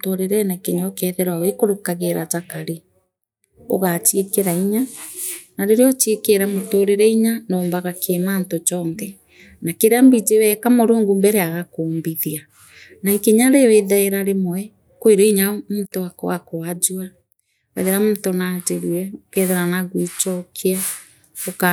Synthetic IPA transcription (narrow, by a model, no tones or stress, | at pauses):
toɾeɾɛnakeɲaokɛðɛɾwawekoɾokaɣeɾat͡ʃakaɾi | o̰ɣat͡ʃiekeɾaiɲa | naɾeɾeɔt͡ʃiekeɾamotoɾeɾɛiɲanoːmbaɣakʰemantot͡ʃɔnðɛ | nakeɾeambid͡ʒewɛkamoɾoːŋɡumbɛɾeaɣakoːmbiðia | naiŋkeɲaɾeweðaeɾaɾemɔɛ | kweɾeiɲamuːtowakoakoad͡ʒua | wɛ̰ðeɾamutonad͡ʒeɾuɛokɛðɛɾanaɣwit͡ʃɔkʰia | oka